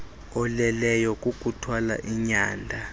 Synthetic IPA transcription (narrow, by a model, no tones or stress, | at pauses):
ɔlɛlɛjɔkʼuk̬ʼutʰwala̰ʔiɲaːndʱa